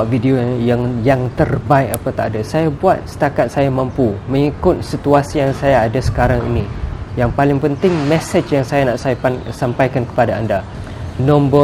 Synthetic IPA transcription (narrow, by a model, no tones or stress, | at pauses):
vidiojaŋjaŋt̪ərbaɪkapat̪aʔadasajabuat̪̚sə̥t̪akat̪̚sajamãmpumə̃ŋikʊt̪̚sit̪uasijaŋsajaːdasə̥kaɾaŋḭnĩjaŋpalɪŋpənt̪ɪŋmɛ̃sət͡ʃjaŋsajanaʔsajpansampajkankə̥padaanda | nɔ̃mbə